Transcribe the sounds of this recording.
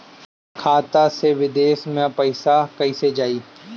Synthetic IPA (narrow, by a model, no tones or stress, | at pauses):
kʰaːt̪aseʋɪd̪eːsmẽpɐɪsakɐised͡ʒaːiː